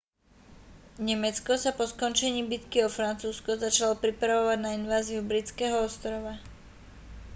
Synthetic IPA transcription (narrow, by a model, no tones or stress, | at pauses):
ɲɛmɛt͡skɔsapɔskɔnt͡ʃɛɲiːbit̪kiɔfɾant͡suːskɔzat͡ʃalɔpɾipɾaʋɔʋaɟnainʋaːziubɾit͡skɛːɦɔɔst̪ɾɔʋa